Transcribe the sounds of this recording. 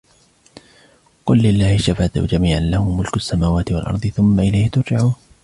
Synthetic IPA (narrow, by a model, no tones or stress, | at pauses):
qʊlːɪlːaːhɪʃafaːd̪ṵd͡ʒamiːʕanlahʊmːʊlkʊʔasːamaːwaːt̪ɪwa̰lʔɑ̰ɾˤd̪ˤɨθʊmːaʔɪlajhɪt̪ʊɾd͡ʒaʕuːn